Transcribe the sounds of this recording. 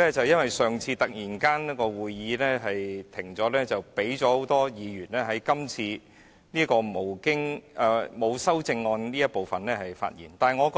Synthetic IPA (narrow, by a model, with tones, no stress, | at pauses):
ɛː˥t͡sɐ˨wjɐ˥nwɐ˨jsœː˨ŋt͡sʰiː˧t̪ɐ˨k̚jiː˨˩nkaː˥nniː˥kɔː˧wuː˨˧jːiː˨˥lɛː˥ɦɐ˨jt̪ʰɪ˨˩ŋt͡sɔː˨˥lɛː˥t͡sɐ˨wpe˨˥jt͡sɔː˨˥ho˨˥wt̪ɔː˥jiː˨˧jyː˨˩nlɛː˥ɦɐ˨˥jkɐ˥mt͡sʰiː˧ | niː˥kɔː˧mo˨˩wkɪ˥ŋʔɛ˧mo˨˧wsɐ˥wt͡sɪ˧ŋːɔː˧nniː˥jɐ˥t̚po˨wfɐ˨nlɛː˥hɐ˨jfa̰ː˧t̚jḭː˨˩nt̪aː˨ŋɔ˨˧kɔ˧